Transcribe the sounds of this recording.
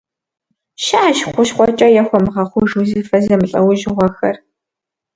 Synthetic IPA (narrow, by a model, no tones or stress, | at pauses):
ʃaaʃχʷʊʃχʷʼɔt͡ʃʼɐjɛxʷɔmʁɐχʷʊʒuziːfɐzɐmɨɬʼɐwʊʒɪʁʷɔxɐ̰r